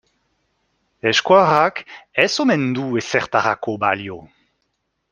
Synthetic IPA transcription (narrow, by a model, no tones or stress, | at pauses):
ɛʃkwaːʁakɛsomɛnd̪uːesɛʁt̪aʁakoba̰ljo